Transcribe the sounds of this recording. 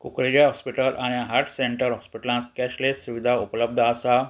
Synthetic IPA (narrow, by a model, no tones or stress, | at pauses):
kukɾed͡ʒaɦɔspiʈəlʔañãɦaɾʈʰsẽɳʈəɾɦɔspiʈlãt̪kɛʃlesuʋid̪ʱaʊpləb̚d̪ʱaːsa